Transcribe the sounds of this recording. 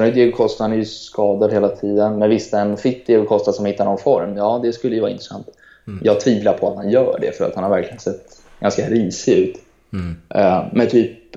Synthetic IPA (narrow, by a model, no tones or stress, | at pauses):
d̪eɡkʰɔst̪aanɛɾjɵsskɑːd̪ad̪heːlat̪ʰiːd̪ənmɛnvɪst̪ːaɛnfɪt̪ːd̪evkʰɔst̪ad̪sɔmhɪt̪ːanɔnfɔɾmjɑːd̪ɛskɵlːəjʏvɑ̰ːɪnt̪ɾɛ̥sa̰nt̪ | jɑːɡ̚t̪ʰviːvlapʰɔat̪hanjœːɖɛ̰fœɾa̰t̪hanhaɾvæɾklɪɡənsɛt̪ː | ɡ̥anskaɾiːsɪʉ̟ːt̪ | mɛnt̪ʰyːp̚